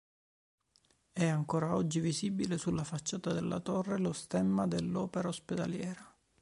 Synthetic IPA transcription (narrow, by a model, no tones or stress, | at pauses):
ɛaŋkoːɾaɔd͡ʒːivizibilesulːafat͡ʃːaːt̪ad̪elːʔa̰t̪ɔrːelost̪ɛmːad̪elːɔːpeɾaosped̪a̰ljɛːɾa